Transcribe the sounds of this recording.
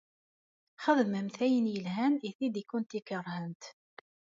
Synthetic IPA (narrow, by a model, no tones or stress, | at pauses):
χəðˤmæmθæjənjəlɦæniθid̪ikːʊnt̪ikərˤhənt̪